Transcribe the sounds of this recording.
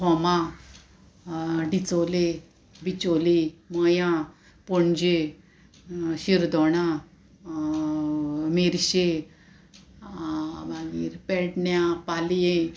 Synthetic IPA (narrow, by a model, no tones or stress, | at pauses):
ɦɔmã | ɖit͡sole | bit͡ɕoliməjã | pɔɳd͡ʑe | ɕiɾd̪ɔɽ̃a | meɾɕe | baɡiɾpɛɽɳjapalje